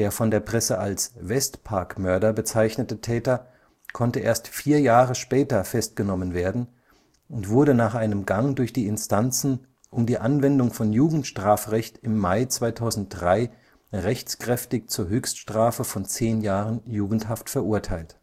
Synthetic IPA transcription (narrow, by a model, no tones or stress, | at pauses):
eːɐfɔndeːɐpʁ̥ɛsəʔalsvɛstpʰaɐkmœɐɾɐbət͡saɪçnətətʰɛːtɐ | kʰɔntəʔeːɐstfiːɐjaːʁəʃpɛːtɐfɛst̚ɡ̥ənɔmənveːɐdn̩ | ʊntv̥ʊɐɾənaːχʔaɪnəmɡaŋdʊɐçd̥iːɪnstant͡sn̩ | ʔʊmdiːʔanvɛndʊŋfɔnjuːɡŋ̩tʃtʁ̥aːfʁɛçtɪmːaɪt͡sv̥aɪtʰaʊzn̩t̚d̥ʁaɪ | ʁɛçt͡skʁ̥ɛftɪçt͡suːɐɦøːçstʃtʁ̥aːfəfɔnt͡seːnjaːʁənjuːɡŋ̩thaftfɛɐʔʊɐtʰaɪlt